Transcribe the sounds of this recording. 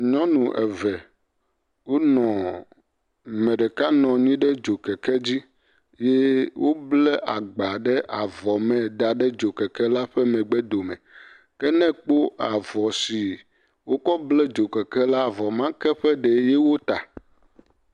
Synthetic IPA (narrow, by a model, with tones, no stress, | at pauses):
ɲɔ̃˦nũ˨ʔɛ̰˨vɛ˨ | wo˦nɔ̃˨ | mɛ̃˨ɖɛ˨ka˦nɔ̃˨ɲĩ˦ɖɛ˦d͡ʒo˨kɛ˨kɛ˦d͡ʑi˦ | je˦wo˦blɛ˦ʔa˨ɡ͡ba˨ɖɛ˦ʔa˨vɔ˨mɛ̃˨d̪a˨ɖɛ˦d͡ʒo˨kɛ˨kɛ˦la˦ɸɛ˦mɛ̃˨ɡ͡bɛ˦d̪o˨mɛ̰̃˨ | kɛ˦nɛ̃˦k͡po˦a˨vɔ˨si˨ | wo˦kɔ˦blɛ˦d͡ʒo˨kɛ˨kɛ˦la˦˨vɔ˨mã˦kɛ˦ɸɛ˦ɖɛ˨˦jɛ˦wo˦t̪a˨